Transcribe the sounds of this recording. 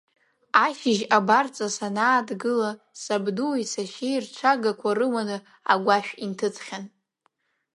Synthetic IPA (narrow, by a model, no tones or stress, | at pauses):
aʃɪʒabart͡sʼasanaːdɡɨla | sabdusaʃejrt͡ʃʷʰaɡakʷʰarɨwanɨ | a̰ɡʷaʃᶣintʰɨt͡sʰʼχʲan